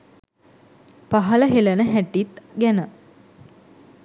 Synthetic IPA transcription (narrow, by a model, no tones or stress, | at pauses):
paɦɐləɦelənəɦæʈːit̪ɡænə